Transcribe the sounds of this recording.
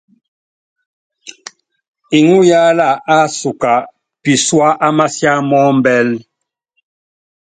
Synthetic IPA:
i˨ŋu˦ja˦la˦˨a˦su˨ka˨ | pi˨swa˦ʔa˦ma˦sja˦mɔ˦m˦bɛ˦l

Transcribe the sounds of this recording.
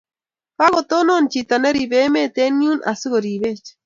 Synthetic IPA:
pa˦ɣo˨t̪o˦no˦nt͡ʃit̪a˨ne˦ɾi˨βe˦me˦t̪e˦niu˦nʔa̰˨sɨ˦ɣo˨ɾiβe˦t͡ʃ

